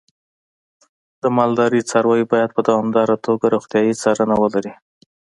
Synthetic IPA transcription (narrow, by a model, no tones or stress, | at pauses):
d̪̥əmɑld̪ɑɾit͡sɑɾwɑjibɑjad̪̚pəd̪awɑmd̪ɑɾat̪ʰoɡaɾoxt̪jɑjit͡sɑɾənawəlaɾi